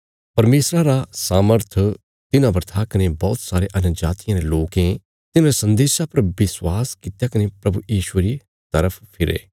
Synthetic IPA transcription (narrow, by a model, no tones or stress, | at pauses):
pɐɾmeːsɾãɾasaːməɾt̪ʰ | t̪ɪnãbəɾt̪ʰakɐnebɔːt̪saːɾeʔɐnʊd͡ʒaːt̪ijãɾeloːkẽ | t̪ɪnãɾesɐ̃nd̪eːʃapɐɾbɪswaːskɪt̪jakɐnepɾɐbujiːʃueɾi | t̪ɐɾəpʰpʰɪɾḛː